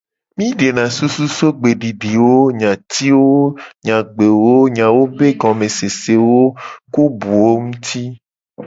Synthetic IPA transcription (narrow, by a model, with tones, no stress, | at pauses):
mĩ˦ɖe˨nã˨su˦su˦so˦ɡ͡be˨ɖi˨ɖi˨wo˦ɲã˨t̪i˦wo˦ɲã˨ɡ͡be˨wo˦ɲã˨wo˦be˦ɡɔ̃˨mẽ˨se˨se˨wo˦ku˦bu˨wo˦ŋũ˦t̪ʰi˦